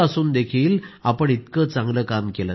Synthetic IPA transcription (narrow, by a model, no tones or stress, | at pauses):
ɐsund̪ekʰijilɐpːɐɽit̪kɐt͡sɐŋɡlɐkaːmkɛlɐ